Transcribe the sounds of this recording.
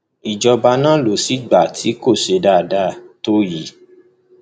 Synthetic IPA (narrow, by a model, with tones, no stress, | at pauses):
i˨d͡ʒɔ˧ba˧nã˦lo˨˦si˦ɡ͡ba˨tʰi˨˦ko˦˨ʃe˧da˦˨da˦˨to˦ji˨˦